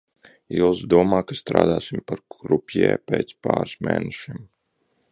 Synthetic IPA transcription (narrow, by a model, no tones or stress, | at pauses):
ilˠsd̪uɔmaːkast̪ɾa̰ːd̪aːsimpaɾɡɾupʲjɛ̰ːpʲeːt̪spa̰ːɾsmḛːnɛʃim